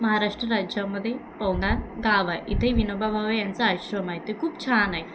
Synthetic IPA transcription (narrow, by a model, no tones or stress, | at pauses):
mɐɦaːɾaːʂʈɾɐɾaːd͡ʒjaːmːɐd̪ipɐwnd̪aːnɡaːʋɐʔit̪ɐʋinobʱɐbʱaʋɐjɐnsɐaːɕɾɐmajt̪ekuːpt͡ʃʰaːnɐj